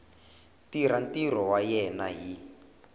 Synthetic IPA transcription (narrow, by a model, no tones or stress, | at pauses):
tiɾantiɾ̤ɔwajɛnaɦi